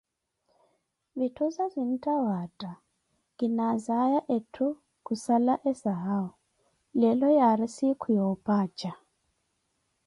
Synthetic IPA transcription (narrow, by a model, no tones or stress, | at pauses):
βitʰɔzazʷin̩tʼawatʼa | ɡinazajaʔetʰu | kʼusalaʔɛsaɦaɔ | lɛlɔjaɾisikʰujɔpʼaːt͡ʃʼa